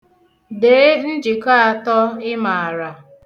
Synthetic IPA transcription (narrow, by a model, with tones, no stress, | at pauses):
de˨˦n̩˦d͡ʒi˨ka˦a˨tɔ˦ɪ˦ma˨a˨ɾa˨